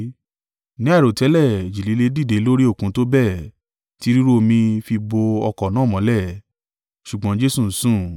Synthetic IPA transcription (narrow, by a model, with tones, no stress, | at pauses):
nĩ˨˦a˦˨ɾo˨tɛ˨˦lɛ˦˨d͡ʒi˨li˨˦le˦di˦˨de˨˦lo˦ɾi˦o˦˨kũ˨˦to˦bɛ˦˨ | ti˦ɾi˦ɾu˦o˧mĩ˧fi˧bo˧ɔ˧kɔ˨nãː˨˦˨mɔ̃˨˦lɛ˦˨ | ʃu˨ɡ͡bɔ̃˨˧˦d͡ʒe˦su˦˨n̩˨˦sũ˦˨